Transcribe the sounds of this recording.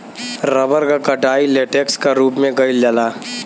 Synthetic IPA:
ɾəbəɾkakɐʈaːileːʈekskaɾuːpmẽɡəɪld͡ʒalaː

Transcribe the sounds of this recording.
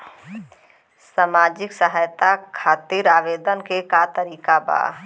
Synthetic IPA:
saːmaːd͡ʒɪksəɦaːjt̪akʰaːt̪iɾaːʋeːd̪ənkekat̪əɾiːkaba̰ː

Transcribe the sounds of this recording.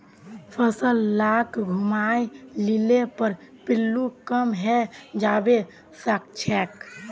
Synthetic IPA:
pʰəsəlːakɡʱumajlilepəɾ | pilːukəmɦɛd͡ʒabe | sək̚t͡ʃʰɛk

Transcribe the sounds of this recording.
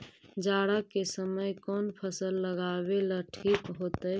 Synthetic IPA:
d͡ʒaːɽakesəməjkɔːnpʰəsəlːəɡabelaʈʰiːkɦot̪əj

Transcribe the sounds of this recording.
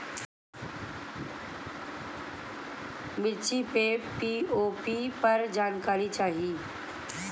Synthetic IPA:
mɪɾt͡ʃipepiːoːpipɐɾd͡ʒaːnkaːɾit͡ʃaːɦiiː

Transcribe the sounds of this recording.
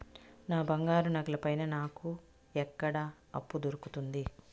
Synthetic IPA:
naːbɐŋɡaːɾunɐɡɐlɐpɐjnɐnaːku | ɛkːɐɽɐ | ɐ̰pːud̪oɾukut̪und̪i

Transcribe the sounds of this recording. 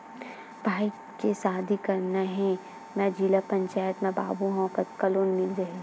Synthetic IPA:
bʱaːi | kesaːd̪ʱikɐɾnaɦɛ̃ | mɛ̃d͡ʒilapɐ̃ɲt͡ʃaːjət̪mẽba̰ːbuɦõkɐkɐloːnmɪld͡ʒɐɦe

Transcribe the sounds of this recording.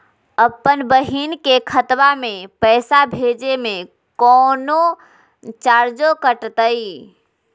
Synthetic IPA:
əpːənbəɦinkekʰət̪bamepəɪsabʱed͡ʒeme | kɔno | t͡ʃaɾd͡ʒokəʈt̪əj

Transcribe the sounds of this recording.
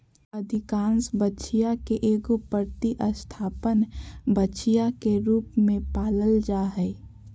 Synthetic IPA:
əd̪ʱɪkãːnsbətːʃʰijakeʔeːɡopəɾt̪iʔəst̪ʰaːpənbəːʃʰijakeɾuːpmẽpaːləld͡ʒaːɦɛː

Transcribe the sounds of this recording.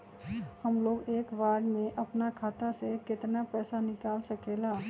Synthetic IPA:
həmloːɡeːkʋaːɾɖmẽʔɐpnakʰaːt̪asekɪt̪napɛːsanɪkaːlsɐkeːlaː

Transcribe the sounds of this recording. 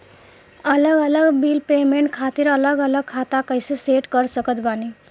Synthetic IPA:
ələɡələɡbiːlpeːmeɳʈkʰat̪iɾələɡələɡ̚kʰat̪akəɦjseseʈkəɾsəkət̪bani

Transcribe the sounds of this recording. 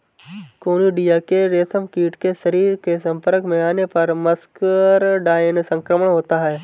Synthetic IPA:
koːniɖijakeɾeːsəmkiːʈkeʃɐɾiːɾkesɐ̃mpəɾkmẽaːnepɐɾməskəɾɖaːɪənsə̃ŋkɾəməɳ̃ɦoːt̪aɦɛː

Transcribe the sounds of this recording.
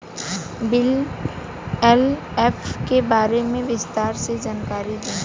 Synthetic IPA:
bɪl | ɛl | ɛːfkebaːɾemẽʋɪst̪aːɾsed͡ʒaːnkaːɾid̪ẽː

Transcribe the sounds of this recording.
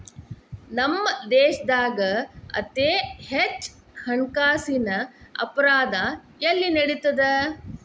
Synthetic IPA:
nɐmːɐd̪eːʃɐd̪aːɡɐɐ̰t̪eːhet͡ʃ | hɐɳkaːsinɐɐ̰pɐɾaːd̪ajɐlːinɐɽit̪ːɐd̪e

